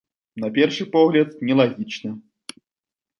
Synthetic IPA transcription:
napʲɛrʂɨpɔɣlʲɐt̪̚nʲɛlˠaɣʲit͡ʂnɐ

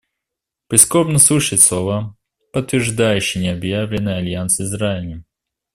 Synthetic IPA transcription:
pʲɪskobnəsuɕɪt̪ʲslˠova | pət̪ːvʲɪrʐd̪ajʉɕːɪjnʲɪɐbjavlʲɪnːɨjɐlʲjansɪzɾaɪlʲɪ

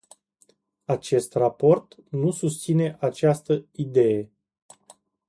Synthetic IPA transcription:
at͡ʃe̞st̪rapo̞rt̪nusust̪sine̞ʔat͡ʃast̪əid̪e̞je̞

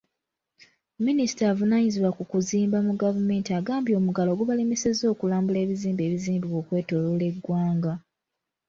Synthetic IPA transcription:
minisi̥taːvunaɲiziβwakukuziːmbamuɡavume̞ːntiaɡaːmbjo̞ːmuɡalo̞ɡuβalimisezo̞ːkulaːmbule̞ːβiziːmbe̞ːβiziːmbiwoːkwe̞ːto̞lole̞ɡwaːŋɡa

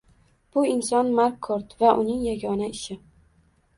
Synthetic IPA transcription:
b̥ʊɪnsɒnmaɾkːʰoɾt̪vaʔʊnɪŋjaɡʲɒnaɪʃɪ

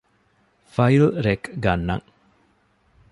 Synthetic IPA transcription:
fɐjlɾekɡɐnːɐ̰ŋ

